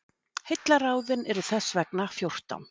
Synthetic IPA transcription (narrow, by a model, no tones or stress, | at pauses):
hejt̪laɾaːwðɪnɛɾʏ̥θɛsːvɛknafjowr̥t̪a̰wn